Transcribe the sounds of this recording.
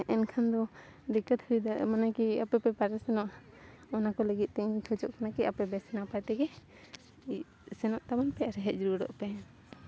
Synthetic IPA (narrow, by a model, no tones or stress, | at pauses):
ʔɛnkʰand̪ɔd̪ikət̪həɾid̪amanakiapɛpɛpaɾɛsɛnɔʔ | ɔnakɔləɡit̪̚ˀt̪ɛɲkʰəd͡ʒɔʔkanakɛapɛbɛsɛnapajt̪ɛɡɛ | i | sɛnɔʔt̪abanpɛaɾɛɦɛʔ̪̚d͡ʒɾuɾɔ̰ʔpɛ